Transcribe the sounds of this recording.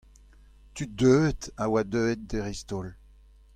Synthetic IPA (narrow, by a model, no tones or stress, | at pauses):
tydøːt̪awad̪øet̪̚deʁist̪ol